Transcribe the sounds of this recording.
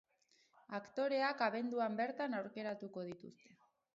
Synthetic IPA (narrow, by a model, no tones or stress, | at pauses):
akt̪o̞ɾe̞akaβe̞nd̪uambe̞ɾt̪anawɾke̞ɾat̪uko̞ð̞it̪ṵst̪e̞